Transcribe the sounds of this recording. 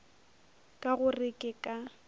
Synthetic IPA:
kʼaɣʊrɪkʼɪkʼa

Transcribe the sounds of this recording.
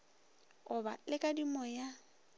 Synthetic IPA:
ʊba̰lɪkʼadimɔja

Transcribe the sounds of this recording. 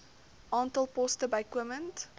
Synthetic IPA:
ɑːntəlˠpɔstəbaɪkwəmə̃nt

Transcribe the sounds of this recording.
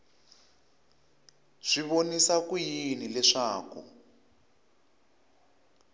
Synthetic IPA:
ʂiβonisakujinilɛʂaːkṵ

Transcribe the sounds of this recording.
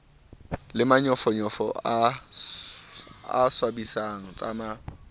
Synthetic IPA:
lɪmaɲɔfɔɲɔfɔ̰a | a̰swabisaŋ̩t͡sʼa̰ma

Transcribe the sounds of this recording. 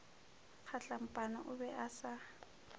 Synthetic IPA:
k͡xʰaɬam̩pʼanaʔʊbɛʔasa

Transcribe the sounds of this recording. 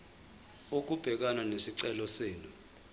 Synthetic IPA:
ok̬ub̥ʱɛk̬ananesiǀɛlɔseːnu

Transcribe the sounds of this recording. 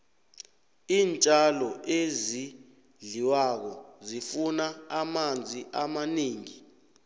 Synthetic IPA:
iːnt͡ʃʼalɔʔezi | ɮiwak̬ɔzifunaamand͡zʱiʔamaniːŋi

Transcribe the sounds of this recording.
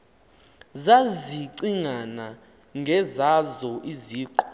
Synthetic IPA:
zaziǀiŋana | ŋɡʱɛzazɔʔiziːǃɔ̥

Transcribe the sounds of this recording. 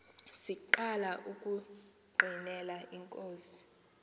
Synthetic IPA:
siǃalaʔukʼu | ɡ͡ǃʱinɛlaʔiŋkʼoːsi̥

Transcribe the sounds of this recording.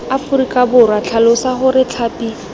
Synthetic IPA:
afuɾikʼabʊrwat͡ɬʰalʊsaχʊɾɪt͡ɬʰaːpʼi

